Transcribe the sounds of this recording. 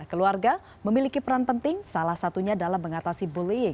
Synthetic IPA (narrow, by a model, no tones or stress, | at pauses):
akəluarɡa | məmilikipəɾanpənt̪ɪŋsalahsat̪uɲadalamːəŋat̪asiboliɪŋ